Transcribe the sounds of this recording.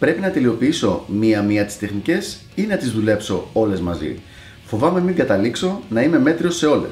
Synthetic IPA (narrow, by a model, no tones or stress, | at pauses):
pɾe̞pinɐt̪e̞lio̞piiso̞miɐmiɐt̪i̥st̪e̞xnice̞s | inɐt̪izðule̞pso̞o̞le̞zmɐzḭ | fo̞vɐme̞miŋɡɐt̪ɐlikso̞nɐime̞me̞t̪ɾio̞se̞o̞lḛ